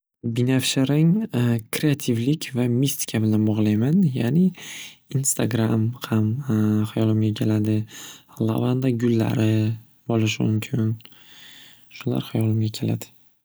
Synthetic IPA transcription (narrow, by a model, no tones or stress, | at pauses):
binafʃeɾaŋkʰɾeat̪ʰɪvlɪkʲʰvamist̪i̥kʰʲabɪlanbɒʁlˠajmanjanɪinst̪ʰaɡɾamhamχajɒlɪmɡʲakʲʰe̞lad̪ɪlˠa̰vand̪aɡʲʊlːa̰ɾɪ | bɒlɪʃ̬ɪmʊ̰mkʲʰɪn | ʃʊla̰ɾhajɒlɪmɡʲakʲʰe̞la̰d̪ɪ̥